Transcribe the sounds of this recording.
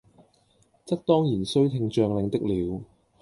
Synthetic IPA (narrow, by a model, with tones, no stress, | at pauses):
t͡sɐ˥k̚t̪ɔː˥ŋjiː˨˩nsɵ˥ɥt̪ʰɪ˧ŋt͡ʃœː˧ŋlɪ˨˧ŋt̪ɪ˥k̚liː˨˧w